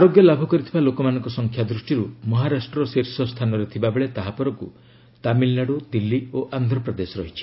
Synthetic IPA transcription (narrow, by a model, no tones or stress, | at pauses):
aɾoɡjɔlabʱukɔɾit̪ʰibalokɔmanɔŋkɔsɔŋkʰjad̪ɾusʈiɾumɔɦaɾasʈɾɔseɾsɔst̪ʰanɔɾet̪ʰibabeɭet̪aɦapɔɾɔŋkṵ | t̪amilːaɽod̪ilːioʔand̪ʱɾɔpɾɔd̪esɔɾɔɦit͡ʃʰi̥